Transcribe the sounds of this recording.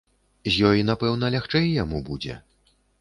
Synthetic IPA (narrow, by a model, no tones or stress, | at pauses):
zʲjɔjinapɛwnɐlʲaxt͡ʂɛjjamubud͡zʲɛ̰